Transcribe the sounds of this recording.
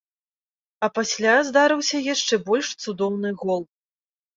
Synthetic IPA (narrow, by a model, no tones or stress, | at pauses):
ɐpasʲlʲazd̪aɾɨwsʲɐjaʂt͡ʂɛbɔlʲʂt̪sud̪ɔwnɨɣɔlˠ